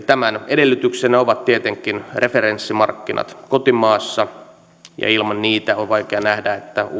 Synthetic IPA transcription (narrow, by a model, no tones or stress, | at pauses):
t̪æmænedelːyt̪yksenːæoʋɑt̪t̪iet̪eŋkːˑinrʔefeɾensːimɑ̰rkːinʔɑ̰t̪kot̪imɑːsːɑ | jɑ̰ilmɑnniːt̪æonʋɑikeɑnæhdæet̪ːæ